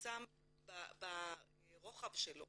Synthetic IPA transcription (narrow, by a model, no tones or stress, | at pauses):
t͡sam | baba | ʁoχavʃel